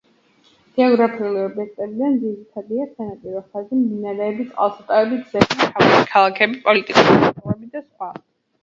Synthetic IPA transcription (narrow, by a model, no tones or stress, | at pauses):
d̪̥iɔɡɾapʰiuliɔbiɛk̚t̪ʼɛbid̪and̪ziɾit̪ʰad̪iasɛnap̪ʼiɾɔχazimd̪inaɾɛːbit̪sʼqʼwa̰lˠsat̪ʼavɛbizɛtʰavsi̥kʰalˠakʰɛbipʼɔlit̪ʼikʼusmavɛbid̪asχwa